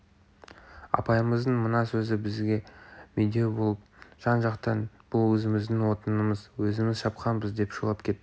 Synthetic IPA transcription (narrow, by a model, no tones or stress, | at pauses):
ɑ̰pɑjəməzd̪əɴmənɑsɵzɪbɪzɡʲe̞med̪ebo̞lˠəp̚ʒ̥ɑnʒɑqt̪ɑnb̥ʊlˠwɵzɪmɪzd̪ɪŋwo̞t̪ənəməzwɵzɪmɪzʃɑpqɑnbəzd̪e̞pʃulˠɑp̚kʲʰe̞t̪ːɪ